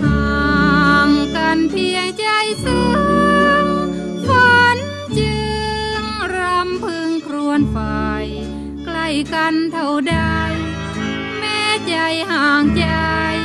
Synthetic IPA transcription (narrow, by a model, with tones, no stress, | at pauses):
haː˨˩ŋka˧˩npʰi˧əŋt͡ɕa˧jsɯ˧ | ŋ | pʰo˧˥n | t͡ɕɯ˧ŋɾa˧˥mpʰɯ˧ŋkʰɾu˧ənpa˧˩j | kla˧˩jka˧nt̪ʰa˧˩wda˧˩j | mɛː˧t͡ɕa˧˩jhaː˨˧˩ŋt͡ɕa˧j